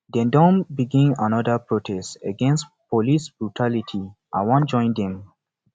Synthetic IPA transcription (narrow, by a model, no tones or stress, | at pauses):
dɛ̃ndɔ̃nbiɡĩnãnɔdəpɹotʰɛstə̰ɡɛ̃nstpɔlisb̥ɹutʰalitʰi | ʔã̰wɔ̃nd͡ʒɔ̃ɪ̃nd̪ɛ̃m